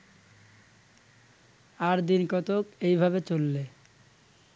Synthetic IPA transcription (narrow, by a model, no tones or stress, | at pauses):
aɾd̪inkɔt̪okejbʱabet͡ɕolːe